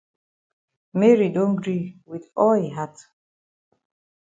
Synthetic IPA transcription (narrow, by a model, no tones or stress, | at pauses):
mɛɹidõnɡɹiwiðɔeɦat